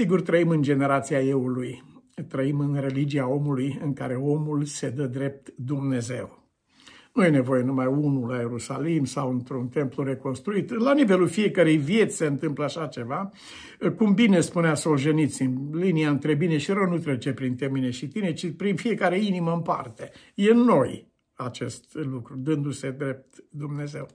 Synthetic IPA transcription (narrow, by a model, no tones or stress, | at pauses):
siɡurt̪ɾəimɨnd͡ʒe̞ne̞ɾat̪siaje̞ulujt̪ɾəimɨnre̞lid͡ʒiao̞mulujɨŋkaɾe̞o̞mulse̞d̪əd̪ɾe̞p̚t̪d̪umne̞ze̞w | nuje̞ne̞vo̞je̞numajunulaje̞ɾusalimsawɨnt̪ɾunt̪e̞mplure̞ko̞nst̪ɾuit̪lanive̞lulfije̞kəɾejvje̞t̪sʲse̞ɨnt̪ɨmpləaʃat͡ʃe̞va | kumbine̞spuneasoʒenit̪sʲimliniaɨnt̪ɾe̞bineʃiɾənut̪ɾet͡ʃe̞pɾint̪emineʃit̪ine̞t͡ʃipɾinfije̞kaɾe̞iniməɨmpa̰rt̪e̞ | jenːo̞j | at͡ʃe̞st̪lukɾud̪ɨnd̪use̞d̪ɾe̞p̚t̪d̪umne̞ze̞̰w